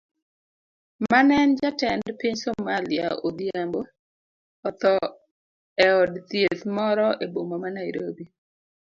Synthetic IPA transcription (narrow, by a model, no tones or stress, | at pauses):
manɛnd͡ʒatɛndpiɲsɔmalia̰ʔod̪iambo | ɔt̪ɔ | ɛɔdt̪jet̪mɔɾɔʔebomamanaɪɾobi